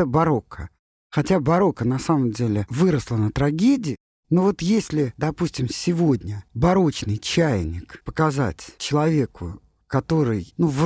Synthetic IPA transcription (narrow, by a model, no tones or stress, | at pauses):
bɐɾo̞kʰə | xɐtʲabɐɾo̞kənɐsaməmdʲelʲɪvɨɾəslˠənət̪ɾɐɡʲedʲɪ | novo̞t̪jesʲlʲɪd̪ɐpusʲtʲɪmsʲɪvo̞dʲnʲəbɐɾo̞t͡ɕnɨjt͡ɕæjnʲɪkpəkɐza̰tʲt͡ɕɪlˠɐvʲekʰʊ̰ | kɐt̪o̞ɾɨjnuv